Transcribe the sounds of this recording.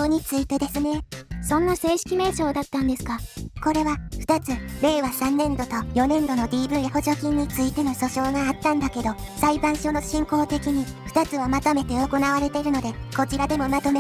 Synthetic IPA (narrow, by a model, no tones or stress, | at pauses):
oːɲ̟it͡sɨit̪e̞d̪e̞sɨne̞sõ̞nːase̞ːɕi̥kʲime̞ːt͡ɕo̞ːd̪at̪ːãnd̪e̞sɨ̥kako̞ɾe̞βaɸɯ̟̥t̪at͡sɨɾe̞ːβasãnːẽ̞nd̪o̞t̪o̞jo̞nẽ̞nd̪o̞no̞d̪ʲiːbɯ̟jaho̞ʑo̞kʲĩɲ̟ːit͡sɨit̪e̞no̞ɕo̞ɕo̞ːŋaːt̪ːãnd̪ake̞d̪o̞saibãɰ̃ɕo̞ːno̞ɕĩŋko̞ːt̪e̞kʲiɲ̟iɸt̪at͡sɨβamat̪ome̞t̪e̞o̞ko̞naβaɾe̞t̪e̞ɾɯ̟no̞d̪e̞ko̞t͡ɕiɾad̪e̞mo̞mat̪o̞me